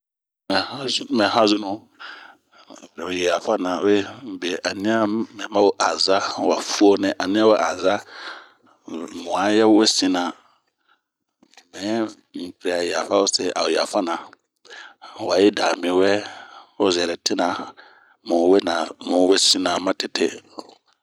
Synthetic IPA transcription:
mɛ̃˨hã˦zmɛ̃˨ɦã˦zʊ˦nʊ̃˦˨ | fɾɛ˨o˨jɛ˨ja˨fa˦nã˨o˦e˦˨˦be˨ʔa˨nĩ˦a˦mɛ̃˨˦mã˦wo˦ʔa˨za˦wa˨fu˦o˦nɛ̃˨ʔa˨nĩ˦ã˦wo˦ʔa˨za˦ | mʊ̃˨a˨˦jɛ˦wwe˦sĩ˦nã˨ | mɛ̃˨˦ | m̩˨pɾɛ˨a˨ja˨fa˦wo˦sɛ˦˨ʔa̰˨wo˨ja˨fa˦nã˨ | wa˨jɪ˦daː˨mĩ˨wɛ˦o˦zɛ˨ɾɛ˨tʰɪ˦nã˨ | mʊ̃˨we˦nã˨mʊ̃˨˦we˦sĩ˦nã˨mã˦tʰɪ˦tʰe˦

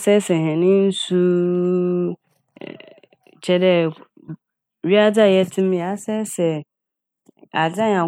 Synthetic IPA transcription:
sɛ˦sɛ˨ɦɛ̃˨nɪ̃˦n̩˦su˦ | t͡ɕʰɛ˦dɛ˦ | ɥi˦a˦da˦˨jɛ˦tʰɪ̃˦m˦˨a˦sɛ˦sɛ˨ | a˨d͡za˦ɲ˨ã˨

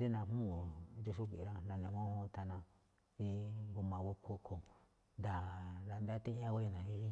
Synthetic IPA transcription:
d̪e˦nã˧˨mũ˦˨nd͡ʒu˧ʃu˦kʷi˨ɾã˦nã˧nẽ˨mõ˦hõ˦t̪a˧nã˧ | i˦ɡu˧mã˨βo˧kʰo˧kʰo˧ | nd̪a˨ɾa˧nd̪a˦˧t̪ĩ˦ã˦ɣo˦i˧nã˨i˧i˦

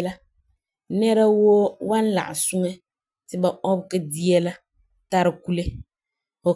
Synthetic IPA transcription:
la˦ | nɛ˦ɾa˦wo˦wa˦n˦la̰˨ʔɪ̰˨su˦ŋɛ˦ | tɪ˨ba˨ʔɔ˦bkɪ˦di˦ɛ˦la˦ | ta˦ɾɪ˦ku˦le˦ | o˨

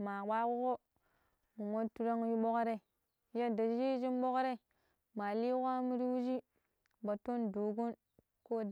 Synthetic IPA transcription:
ma˨wa˦wo˦ko˦ | mu˨mo˦tu˦ɾa˦ŋ˦ji˦ɓo˦kɾe˦˨˦ | ja˦da˨d͡ʒd͡ʒi˦d͡ʒi˦m˦ɓo˦kɾe˦ | ma˨li˦kʷa˦mi˦ɾi˦wu˦d͡ʒi˦ | ba˨to˦ndo˨ɡo˦n | ko˦d

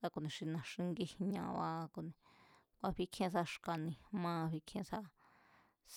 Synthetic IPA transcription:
sa˧ko˨nĩ˨ʃi˧nã˨ʂĩ˧ŋɡi˦˧hɲã̰˧˨˧βa̰˧˦ko˨nĩ˨ | kʷa˧ɸi˦kʰẽ˦s̬a˧ʂka˨nĩ˧˨mãː˦˧ɸi˧kʰẽ˧˦sa˦˧ | s

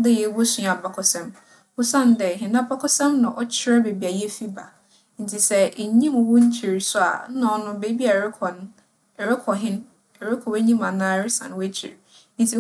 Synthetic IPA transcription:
dɛ˦jɛ˨˦wɔ˦sũ˨a˨ba˨kʰɔ˨sɛ̃˦m | wʊ˦sã˦˨n˦dɛ˨ɦɪ̃˨nã˦ba˦kʰɔ˦sɛ̃˦mnã˨ʔɔ˦t͡ɕʰɪ˦ɾɛ˦be˨bi˨a˨jɛ˦fi˦ba̰˨ | n̩˨tʰi˨sɛ˦e˨˦ɲĩ˦mʊ̃˨wo˦ɲ̩˦t͡ɕʰi˨ɾsʊ˦a̰˨˦nã˨ɔ˦nʊ̃˦be˦bi˦a˨ɾɪ˦kʰɔ˨nʊ̃˦˨ | ɾɪ˦kʰɔ˨ɦɪ̃˦n | ɛ˨ɾɪ˦kʰɔ˨we˦ɲĩ˦mã˨nãː˦˨˦ɾɪ˦sã̰˨n˨wt͡ɕʰḭ˨ɾ | n̩˨tʰi˨

